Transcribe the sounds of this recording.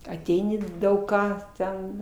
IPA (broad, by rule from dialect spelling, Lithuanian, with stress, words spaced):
ɐˈtʲɛɪnʲɪ ˈdɐʊk ˈkɑː ˈtʲɛn